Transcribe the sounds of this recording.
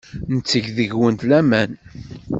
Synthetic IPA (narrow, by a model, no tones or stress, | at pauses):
nt͡sːəʝðəʝwənt̪læmæn